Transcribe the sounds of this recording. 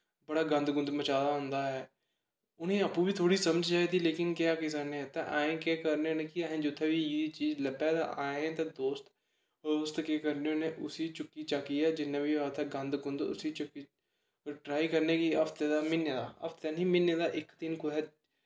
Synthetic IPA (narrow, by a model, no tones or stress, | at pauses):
bəɽaːɡə̃nd̪ɡʊ̃nd̪mət͡ʃaːd̪aːɦʊnd̪aːɦɛː | ʊnẽːəpuːbiːt̪ʰoːɽiːsəməd͡ʒd͡ʒaːid̪iːleːkɪnkjaːkis̬anet̪aʔaːẽkeːkəɾneːʊneːkiaːɦɛ̃ːd͡ʒʊt̪ʰːeːbiːiːit͡ʃiːzləbɛːd̪a̰ʔaːeɛ̃t̪ad̪oːst̪ | oːst̪keːkəɾneʊnẽːʔʊsiːt͡ʃʊkːiːt͡ʃaːkijaːd͡ʒɪnːãːbʱiːaːt̪ɛɡə̃nd̪ɡʊnd̪ʊ̰sit͡ʃʊkːi | ʈɾaːikəɾneːkiəpʰt̪ɛːd̪aːmɪnːəd̪aːɐ̰pʰt̪ːanĩːmɪnːəd̪aːʔɪkt̪ɪnkʊlɛː